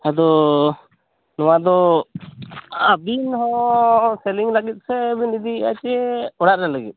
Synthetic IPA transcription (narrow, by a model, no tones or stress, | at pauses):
ad̪ɔ | nɔwad̪ɔ | abinɦɔsɛliŋlaɡit̪̚sɛbinid̪iat͡ʃɛɔɽaɾnɛlaɡit̪̚